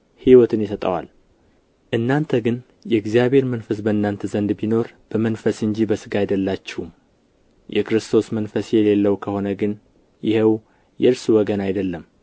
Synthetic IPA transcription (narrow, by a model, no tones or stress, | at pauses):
hiwɔt̪ʰɨnjɪsət̪ʼə̰wa̰l | ʔɨnːant̪ʰəɡɨn | jɛɡzijaβe̞ɾmənfəsbəɨnːant̪ʰəzənd̪bino̞ɾb̥əmənfəsɨɲd͡ʒibəsɨɡajd̪əlːat͡ʃːɪhum | jʔɛ̰kɾɨst̪ʰo̞smənfəsjɛle̞lːəwkʰəho̞nəɡɨn | jɪhew | jɛɨɾsuwɔɡənajd̪əlːəm